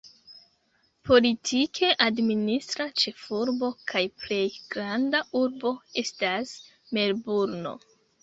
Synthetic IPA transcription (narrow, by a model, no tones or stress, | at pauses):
pʰo̞litʰikʰe̞ʔadministɾat͡ʃe̞fuɾbo̞kʰajple̞jɡ̥ɾandauɾbo̞e̞stas | me̞lbuɾno̞̰